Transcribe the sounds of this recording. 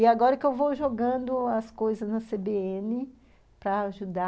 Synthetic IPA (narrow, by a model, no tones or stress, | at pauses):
iaɡɔɾɐkɪewvowʒoɡɐ̃nd̪ʊɐskojzɐznɐsebeẽnɪ | pɾɐaʒud̪a